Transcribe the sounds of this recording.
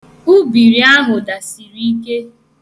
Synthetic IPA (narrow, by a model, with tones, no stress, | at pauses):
u˦bi˨ɾi˨a˦ɦʊ˨da˨si˨ɾi˦ke˦